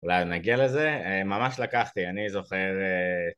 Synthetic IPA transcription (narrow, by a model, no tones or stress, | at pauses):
ulajnaɡiale̞ze̞emamaʃlakaχt̪ianizo̞χe̞ʁe